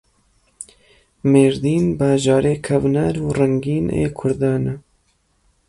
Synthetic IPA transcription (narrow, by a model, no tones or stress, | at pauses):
meːɾd̪iːnbɑːʒɑːɾeːkʰɐvnɛɾuːrɛŋɡiːnḛːkʰʊɾd̪ɑːnɛ